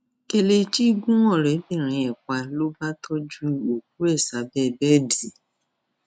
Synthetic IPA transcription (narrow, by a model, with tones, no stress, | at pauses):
ke˧le˧t͡ʃi˦ɡũ˦w̃ɔ̃˦˨ɾɛ˨˦bĩ˦˨ɾ̃ĩ˧ɛ˨kʷa˧lo˦ba˦tʰɔ˦d͡ʒu˦o˨k̚u˦ɛ˦˨sa˨˦bɛ˦˨bɛ˦˨di˨